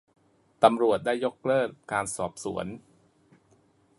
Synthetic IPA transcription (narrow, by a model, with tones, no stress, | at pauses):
t̪a˧mɾu˨˩ət̪̚daː˥˩jːo˦˥k̚lɤː˥˩t̪̚kaː˧nsɔː˨˩p̚sṵ˩˦ən